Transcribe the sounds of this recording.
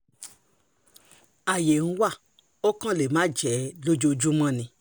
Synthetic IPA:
a˨je˨ñ̩˦wa˦˨ | o˦kã˦le˨mã˨˦d͡ʒɛ˨˦lo˦d͡ʒo˧d͡ʒu˦mã˦nĩ˧

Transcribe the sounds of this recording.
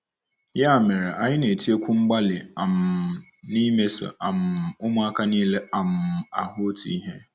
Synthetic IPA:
jɛ˦a˨mɛ˨ɾɛ˨ʔa˨jɪ˦nẽ˨e˨tʰi˦e˦kʰʊ̃˦m̩˦ɡ͡ba˦lɪ˨a˨m | nĩ˦me˦sɪ̰˨ʔa˨mʊ˦mʊ̃˦a˦kʰa˦nĩ˦lɛ˦a˨m˨a̰˨hʊ˦tʰḭ˦ɦɛ̃˦

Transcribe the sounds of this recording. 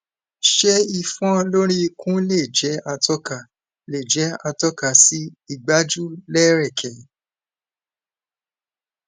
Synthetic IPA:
ʃe˦i˧fɔ̃˦lo˦ɾi˦kũ˦le˦˨d͡ʒɛ˨˦a˧tɔ˦ka˨ | le˨d͡ʒɛ˨˦a˧tɔ˦ka˨si˦i˦˨ɡ͡ba˦d͡ʒu˦lɛ˦ɾɛ˦˨kʰɛ˨

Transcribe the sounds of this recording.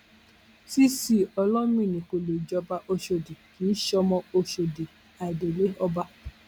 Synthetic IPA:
si˦si˦˨ɔ˧lɔ̃˦m˦ĩ˦˨nĩ˨ko˨lo˨d͡ʒɔ˧ba˧ʔo˧ʃo˧di˨kĩ˨˦ʃɔ˧mɔ̃˧o˧ʃo˧de˨ | a˨i˨de˨lo˦ɔ˧ba˧

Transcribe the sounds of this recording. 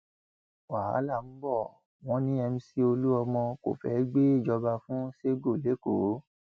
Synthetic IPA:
wa˨a̰˨˦la˦˨m̩˦bɔ˦˨ | w̃ɔ̃˦nĩ˦ɛ˧m̩̃˧˦si˧o˧lu˦ɔ˧mɔ̃˧ko̰˦˨fɛ˨˦ɡ͡be˦i˦˨d͡ʒɔ˧ba˧fũ˦se˦ɡo˦˨le˨˦ko˨˦

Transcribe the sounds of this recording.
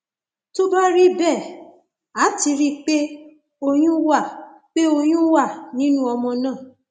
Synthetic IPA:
to˦ba˦ɾi˦bɛ˦˨ | a˨˦ti˧ɾi˦k͡pe˦ | o˧j̃ũ˦wa˦˨ | k͡pe˦o˧j̃ũ˦wa˦˨nĩ˨˦nũ˦ɔ˧mɔ̃˧nãː˦˨

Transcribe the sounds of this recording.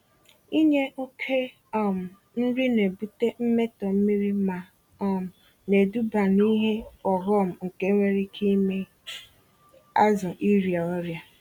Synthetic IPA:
i˦ɲe˦ʔo˦kʰe˦ | ɔ˦˨m̩˨ | n̩˦ɾi˦ne˨bu˦te˦m̩˦me˦tɔ˨m̩˦mi˦ɾi˦ma˨ | ɔ˦m̩˨ | ne˨du˦ba˨ni˦ɦe˦ɔ˨ɦɔ˦m̩˨ŋ̩˨ke˦ŋʷe˦ɾi˦kʰi˦me˦ | a˦zʊ˨ʔi˦ɾja˨ɔ˦ɾja˦

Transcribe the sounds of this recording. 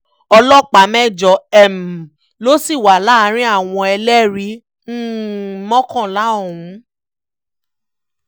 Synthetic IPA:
ɔ˧lɔ˦˨k͡pa˨˦mɛ̃˦˨d͡ʒɔ˨ɛ˦˨m˨ | lo˦si˦˨wa˨la˨˦˧ɾ̃ĩ˦a˦˨w̃ɔ̃˧ɛ˧lɛ˦ɾi˨˦ | n̩˦mɔ̃˦kɔ̃˦˨la˨˦o˦˨hũ˨˦

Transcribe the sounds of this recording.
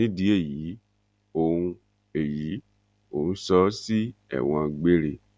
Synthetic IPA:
ĩ˦di˦e˦˨ji˨˦ | o˦˨ũ˧ | e˨ji˨˦ | o̰˨nũ˦sɔ˦si˦ɛ̰˨w̃ɔ̃˧ɡ͡be˦ɾe˦˨

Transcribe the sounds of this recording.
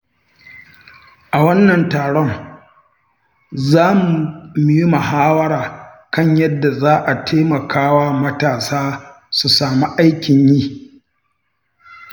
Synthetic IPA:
ʔa˨wɐ˦nːɐ˨ntaː˨ɽɔ˦ŋ | zaː˦mu˨mi˨ji˦mɐ˨haː˦wɐ˦ɽaː˨ | kɐ˦ɲjɐ˦dːa˨zaː˦ʔa˨tʰeː˦mɐ˨kʰaː˦waː˦mɐ˦taː˨saː˦ | su˨saː˨mi˦ʔa˦jkʲɪ˨ɲjiː˦

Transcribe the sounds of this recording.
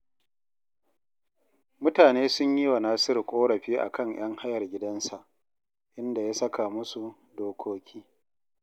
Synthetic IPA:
mʊ˦taː˨neː˦sʊ˦ɲji˦wa˨naː˦sɪ˦rkʷʼoː˦ɽɐ˨ɸiː˦ʔa̰˨kɐ˦˨ɲj̰ɐ˦ŋha˦jɐ˨rɡʲɪ˦dɐ˦nsa˨ʔ | ʔɪ˦nda˨ja˦sɐ˦ka˨mʊ˦su˨ | doː˦kʷʰoː˦kʲiː˦

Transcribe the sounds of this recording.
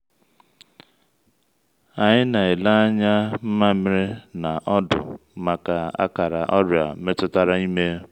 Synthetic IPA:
a˨ɲɪ˦na˨ɪ˨la˦a˦ɲa˦m̩˦ma˦mɪ˦ɾɪ˦na˨ʔɔ˦dʊ̰˨ma˨ka˨a̰˦ka˨ɾa˨ʔɔ˦ɾja̰˨˦me˦tʊ˦ta˦ɾa˦i˦me˦

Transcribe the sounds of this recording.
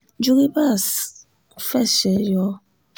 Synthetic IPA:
d͡ʒu˦ki˦ba˦˨s | fɛ˦˨sɛ˨jɔ˨˦

